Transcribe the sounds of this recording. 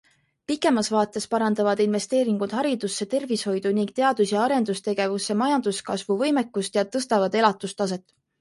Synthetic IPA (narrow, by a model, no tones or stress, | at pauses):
pikːˑe̞mɑsvɑːt̪ːˑe̞spɑɾɑnd̪ɑvɑd̪̥inve̞st̪e̞ːɾiŋɡ̥ud̪̥ɦɑɾid̪̥usːe̞t̪e̞rvisho̞jd̪̥uniŋɡ̥̚t̪e̞ɑd̪̥usjɑɑɾe̞nd̪̥ust̪e̞ɡ̥e̞vusːe̞mɑjɑnd̪̥uskɑsvuvɤjme̞kːust̪jɑt̪ɤst̪ɑvɑd̪e̞lɑt̪ːˑust̪ɑs̬e̞t̪ːˑ